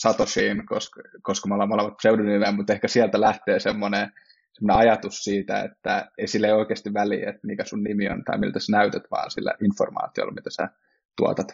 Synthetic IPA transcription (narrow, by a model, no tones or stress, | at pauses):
sɑt̪osiːnkoskoskɑmolemolemːɑt̪seununymemmut̪ehkæsiælt̪ælæht̪eːsemːone | semːoneɑjɑt̪ussiːt̪æ̰ḛt̪ːæeisilːeioikeːst̪iʋʋælḭːet̪mikæsunnimio̰nt̪ɑ̰imḭlt̪æsænæyt̪et̪ʋɑ̰ːnsilːæ̰ʔinfo̰rmɑ̰ːt̪io̰lːɑmit̪æ̥sæ̰ | t̪uɑ̰t̪ɑt̪